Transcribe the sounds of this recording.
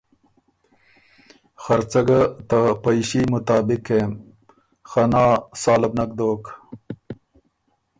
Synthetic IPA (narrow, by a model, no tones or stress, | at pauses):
xɐɾt͡sɐɡat̪apɐjʃimʊt̪aːbɪkem | xɐnɑːsɑːlɐbnak̚d̪oːk